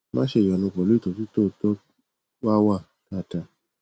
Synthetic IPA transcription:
mã̰˦ʃe˧˨jɔ˨nũ˧kɔ˨lo˨˦i˦˨to˨ti˦to˦˨tɔ˦ | wa˦wa˦˨ | ka˧˨ta˨

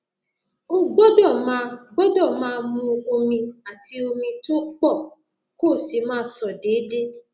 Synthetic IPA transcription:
o˧ɡ͡bɔ˦dɔ˦˨mã˦ɡ͡bɔ˦dɔ˦˨mãː˦mũ˧o˧mĩ˧a˨ti˧˦o˧mĩ˧to˦k͡pɔ˦˨ | ko˦˨si˨˦mãː˦tɔ˨deː˨˦de˦

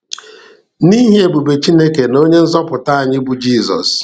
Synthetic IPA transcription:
ni˦ɦe˦e˨bu˨be˨t͡ʃi˦ne˦ke˨no˦ɲe˦n̩˦zɔ˦pʊ˨ta˦a˨ɲɪ˦bu˨d͡ʒi˦˨zɔ̰˨s

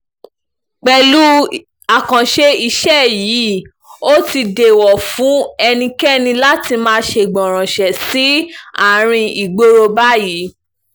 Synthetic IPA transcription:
k͡pɛ˨lu˦ | a˨kã˨ʃe˧i˧ʃɛ˦˨jiː˨˦ | o˦ti˧de˨wɔ˨fũ˨˦ɛ˧nĩ˧kɛ˦nĩ˧la˦ti˧mãː˧˦ʃe˧˨ɡ͡bɔ̃˨ɾ̃ã˨ʃɛ˨si˨˦a˦˨ɾ̃ĩ˧i˨ɡ͡bo˦ɾo˧ba˦jiː˨˦

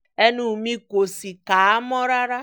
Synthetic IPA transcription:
e˦nu˨mi˦ko˨si˨ka˨a˦mɔ˦ɾa˦ɾa˦

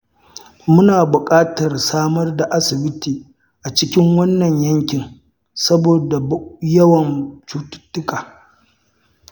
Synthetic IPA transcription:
mʊ˦naː˨bʊ˨kʼaː˦tɐ˨rsaː˦mɐ˦rda˨ʔa˦sɪ˨bɪ˦tiː˨ | ʔa˨t͡ʃɪ˦kʲɪ˦ŋwɐ˦nːɐ˨ɲjɐ˦ŋkʲɪ˨n | sɐ˦boː˨da˨bjɐ˦wɐ˨nt͡ʃuː˦tʊ̥˦tːʊ˦kaː˨

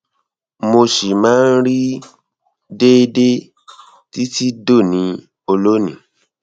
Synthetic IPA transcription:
mo˧ʃi˨mãː˦n̩˦ɾi˦ | de˦de˦ | ti˦ti˦do˦˨nĩ˨˦ | o˧lo˦nḭ̃˨

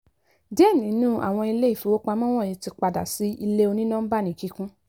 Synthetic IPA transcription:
di˦ɛ˦˨nĩ˨˦nũː˦ʔa̰˨w̃ɔ̃˧i˧le˦i˦˨fo˨wo˦k͡pa˧mɔ̃˦w̃ɔ̃˦˨i˨˧˦ti˧k͡pa˧da̰˨si˨˦i˧le˦o˧nĩ˦nã˦ba˦˨nĩ˨ki˨˦kũ˦

